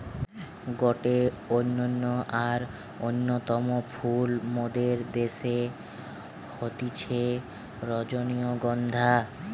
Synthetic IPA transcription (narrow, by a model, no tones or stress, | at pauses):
ɡɔʈe | onːonːoʔaɾ | onːot̪ɔmopʰulmod̪eɾd̪eʃe | hot̪it͡ɕʰe | ɾɔd͡ʑonioɡɔnd̪ʱa